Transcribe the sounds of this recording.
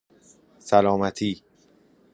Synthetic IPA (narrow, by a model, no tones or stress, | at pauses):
sælɒːmæt̪ʰiː